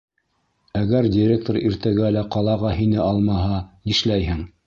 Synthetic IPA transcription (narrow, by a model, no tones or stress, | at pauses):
æɡæɾdʲɪɾʲek̚t̪oɾiɾt̪æɡælæqɑlˠɑʁɑhinɘʔɑlˠmɑɦɑniʃlæjhɘŋ